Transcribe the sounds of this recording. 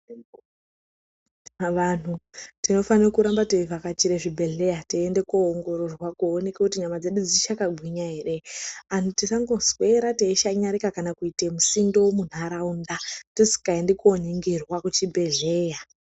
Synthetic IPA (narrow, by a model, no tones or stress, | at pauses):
ʋan̤utino̞fanirokuɾambateivakat͡ʃiɾeʐibʱe̞ɮe̞jatiːndekoːŋɡo̞ɾo̞rwakuone̞kekutiɲamad͡ze̞ɗud͡zit͡ʃakaɡʱwiɲaɦe̞ɾean̤utisaŋɡo̞zwe̞ɾateiʃaɲaɾikakanakuitemusindomun̤aɾaundatosi̥kaendekuoniŋɡirwakut͡ʃibʱe̞ɮe̞ːja